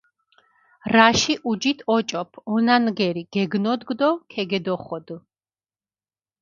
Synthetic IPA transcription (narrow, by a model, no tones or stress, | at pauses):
ɾaʃiʔud͡ʒit̪ʰɔt͡ʃʼɔpʰɔnanɡɛɾiɡ̥ɛɡnɔd̪ɡd̪ɔkʰɛɡɛd̪ɔχɔd̪